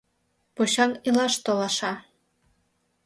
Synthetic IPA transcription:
poɕɑŋilɑʃt̪olɑʃɑ

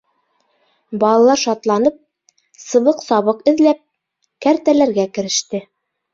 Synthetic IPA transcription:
bɑlˠɑlˠɑɾʃɑt̪lˠɑnɤp̚ | sɤ̆βɤqsɑβɤqɘ̆ðlæp̚ | kæɾt̪ælæɾɡækɘ̆ɾɘ̆ʃt̪ɘ

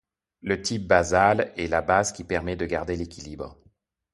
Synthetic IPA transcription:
lət̪ip̚bazalɛlabazkʲipɛʁmɛd̪əɡaʁd̪elekʲilibʁ

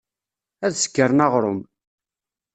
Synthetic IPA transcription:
æðsə̥kːəɾˤnɑʁɾˤʊm

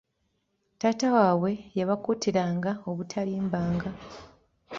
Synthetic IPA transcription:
taːtawaːwe̞jaβakutiɾaːŋɡaoβutʰaliːmbaːŋɡa

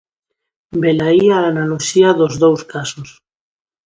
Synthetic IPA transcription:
belaiaːnaloʃiaðozðowskasos

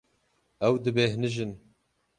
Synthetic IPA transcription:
ɛwd̪ɨbehnɨʒɨn

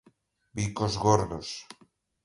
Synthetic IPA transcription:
bikozɣoɾðos

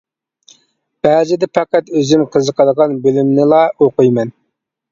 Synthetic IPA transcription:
b̥ɛd͡ʒ̪ɪd̪ɛpɑqæt̪øzymqʰəzəqʰɑd̪əʁɑnbølymnɪlˠɑoqujmɛn

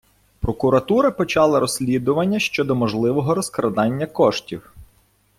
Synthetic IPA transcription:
pɾɔkʊɾɐt̪uɾɐpɔt͡ʃɑlˠɐɾɔsʲlʲid̪ʊʋɐnʲːɐʃt͡ʃɔd̪ɔmɔʒlˠɪʋɔɦɔɾɔskɾɐd̪ɑnʲːɐkɔʃtʲiw

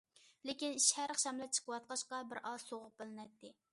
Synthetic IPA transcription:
lɪkʲiniʃhæɾχʃɑmlˠɛt͡ʃʰə̥qəwɑt̪̚qɑʃqɑbɪɾʔɑ̥soʁʊp̚b̥ɪlˠɪnɛt̪ʰːɪ

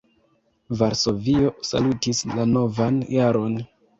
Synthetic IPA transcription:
vaɾso̞vio̞sa̰lutislano̞vanjaɾo̞n

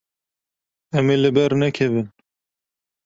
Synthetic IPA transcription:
ɛmeːlɨbɛɾnɛkʰɛvɨn

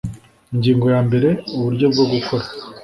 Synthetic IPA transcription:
iɲɟiːŋɡo̞jaːmbe̞ɾe̞uβuɾɟo̞b̚ɡoɡukʰo̞ɾḁ

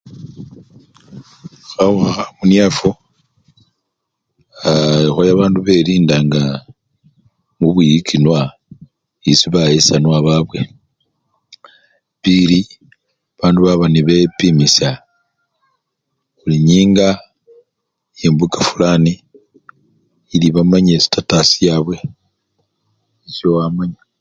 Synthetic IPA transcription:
xauxaxamunjafo | aixojaβaːnduβeɾiːndaŋɡa | muβwijikʰinwa | isiβajesanwaβaβwe̞ | pili | aβaːnduβaβaniβepimisa | uliɲiːŋɡa | iembukafulani | liβamaɲesi̥tatasijaːβwe̞ | isjowamaɲa

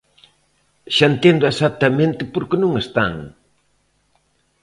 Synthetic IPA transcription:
ʃaent̪end̪ʊesat̪ːamẽnt̪ɪpoɾkɪnũŋest̪a̰ŋ

